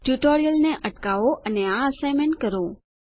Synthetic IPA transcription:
ʈjuʈoɾijəlneʔəʈkaʋoʔəneaəsajmeɳkəɾo

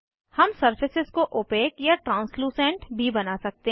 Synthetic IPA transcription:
hɐmsɐɾfʰɪsɪzkoʔoːpeːkjaʈɾãːnsluːsɛ̃ːɳʈbʱibɐnasɐk̚t̪e

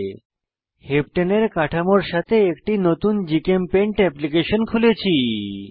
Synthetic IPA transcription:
hepʈeneɾkaʈʰamoɾʃat̪ʰeːkʈinot̪und͡ʑikempẽɳʈɛplikeʃənkʰulet͡ɕʰi

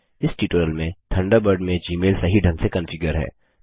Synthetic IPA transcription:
ɪsʈiːʈoːɾəlmẽt̪ʰɐ̃ɳɖabəɾɖmẽd͡ʒiːmeːlsɐɦiɖʱɐ̃nsekɐ̃nfʰɪɡəɾɦɛ̰ː

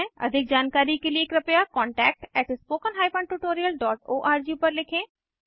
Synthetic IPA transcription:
ə̰d̪ʱɪk̚d͡ʒaːnkaːɾiːkelieːkɾəpejaːkɔːɳʈɛːk̚ʈɛːʈspoːkənɦaːipəɳʈuːʈoːɾijəlɖɔːʈoːʔaːɾd͡ʒiːpəɾlɪkʰẽː

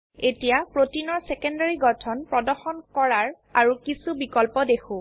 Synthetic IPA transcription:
etijapɹotinɔɹsɛkɔndaɹiɡɔtʰɔnpɹɔdɔɹxɔnkɔɹaɹ | aɹukisubikɔlpɔdexʰʊ̃

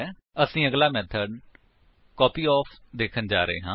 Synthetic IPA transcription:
əsĩːəɡlaːmɛːt̪ʰəɖ | kɔːpiːɔːpʰd̪eːkʰənd͡ʒaːɾəɦḛːɦãː

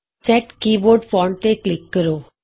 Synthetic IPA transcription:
sɛʈkiboɾɖfɔɳt̪eklɪkːəɾo

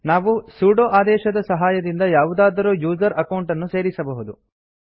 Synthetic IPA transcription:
naːʋusuːɖoːʔaːd̪ɛːʃɐd̪ɐsɐɦaːjɐd̪ind̪ɐjaːʋud̪aːd̪ɐɾoːjuːd͡ʒɐɾɐkɐwɳʈɐnːuse̞ːɾisɐbɐɦud̪ṵ

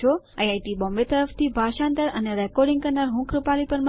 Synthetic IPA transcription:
o | ajajʈibɔmbet̪əɾəft̪ʰibʱaʃãnt̪əɾəneɾɛkɔɾɖĩŋɡkəɾnaɾɦũkɾupalipəɾm

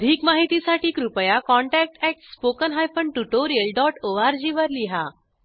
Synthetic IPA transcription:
əd̪ʱiːkmaɦit̪isaʈiːkɾupəjakɔɳʈæk̚ʈɛk̚ʈspokənɦajfəɳɖʈuʈoɾijəlɖɔʈoaɾd͡ʑiʋəɾliɦa

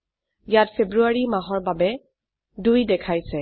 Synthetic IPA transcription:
jatpʰebɹuaɹimaɦɔɹbabɛ | dujdɛkʰajsɛ

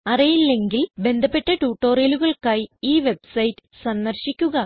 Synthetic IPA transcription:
ɐrijilːe̞ŋɡilbe̞nd̪ʱɐpːe̞ʈːɐʈuːʈːo̞ːrjɐluɣɐɭkaːjiiːʋe̞bsɐjtːɨ̥sɐnːɐrɕikʲːuɣɐ

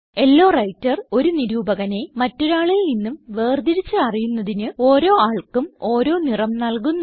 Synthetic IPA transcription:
e̞lːo̞ːrɐjtːɐro̞ɾuniɾuːbɐɣɐne̞mɐtːo̞ɾaːɭilninːumʋe̞ːrd̪iɾit͡ɕːɨɐrijunːɐðinɨo̞ːɾo̞ːaːɭkumo̞ːɾo̞ːnirɐmnɐlk̬unː

